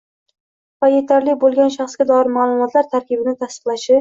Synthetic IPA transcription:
vaje̞t̪ʰaɾlɪbolˠɡʲanʃaχsɡʲad̪ɒɪɾmaːlˠʊmɒt̪ʰlaɾt̪ʰaɾkʲɪbɪnɪt̪ʰast̪ɨ̥qlˠaʃɪ

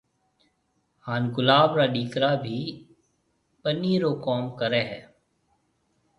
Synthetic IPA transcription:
haːnɡʊlaːbɾaːɖiːkɾaːbʱiː | pəniːɾoːkɔːmkəɾeːɦɛː

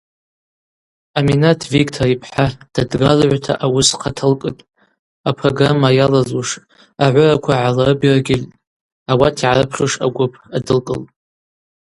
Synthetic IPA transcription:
aminatʰvikʼtʰoɾipʰħad̥adɡalʕʷtʰa̰ʔawʊsqʰatʰɨlkʼɨtʼ | apʰroɡramːajalazuʂ | aʕʷʊrakʷʰaʕalarɨbiraɡʲɪltʼ | awatʰiʕaɾɨpʰχɨʂa̰ɡʷʊpʰadɨlkʼɨ̰lʼ

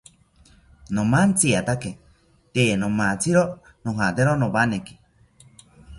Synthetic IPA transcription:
nomant͡sʰiat̪ake | t̪eenomat͡siɾo | noɦat̪eɾonoβaneki̥

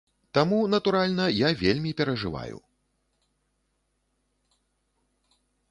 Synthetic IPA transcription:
t̪amunɐt̪uɾalʲnɐjavʲelʲmʲipʲɛɾɐʐɨ̰va̰jṵ

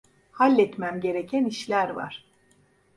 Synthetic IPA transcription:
halʲːɛt̪mæmɟe̞ɾecʰæniʃlʲæɾva̰ɾ̥

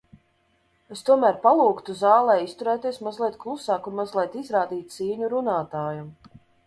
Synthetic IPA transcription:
est̪uɔmæːɾpalˠuːkt̪uzaːlˠɛːist̪uɾɛːt̪iɛsmazlʲˠiɛt̪̚klˠusaːkunmazlˠʲɛt̪izɾaːd̪iːt̪̚ʲsiːɲuɾunaːt̪aːjum

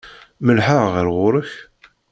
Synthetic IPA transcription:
məlħəʁʁəɾʁʊɾəç

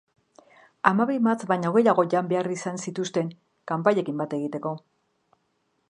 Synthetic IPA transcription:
amaβimat͡sβajɲaoɣe̞jaɣo̞ʝambe̞arisansit̪ust̪e̞ŋ | kampaʎe̞kimbat̪e̞ɣit̪e̞ko̞

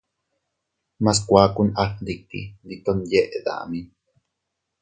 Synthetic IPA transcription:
mas̬kʷaːkunahlikḭd̪it̪onjeʔd̪a̰ʔmin

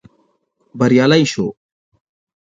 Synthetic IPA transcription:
bəɾjaːlaĩːʃoː

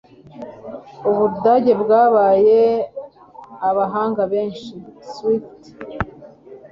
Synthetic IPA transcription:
uβudaːɟe̞bɡaːβaːje | aβaɦaːŋɡaβe̞ːnʃiswit

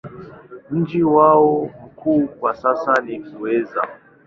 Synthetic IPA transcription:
m̩d͡ʒiwaɔm̩kʰuːkwasasanikuwɛza̰

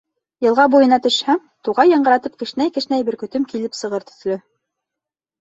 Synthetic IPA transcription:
jɤ̆lˠʁɑbujɤ̆nɑt̪ɵ̆ʃhæm | t̪uʁɑjːɑ̆ɴɢɤ̆ɾɑt̪ɤp̚kɘ̆ʃnæjkɘ̆ʃnæjbɘɾkɵ̆t̪ɵmkilɘpsɤ̆ʁɤɾt̪ɵ̥̆θlɵ

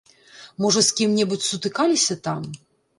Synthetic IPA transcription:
mɔʐɐskʲimnʲɛbut͡sʲsut̪ɨkalʲisʲɐt̪am

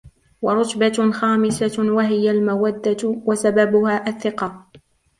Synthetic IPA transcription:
wɑɾˤʊt̪baxaːmɪsawaɦɪjalmawad̪ːawasababʊhaːʔaθːɪqɑ

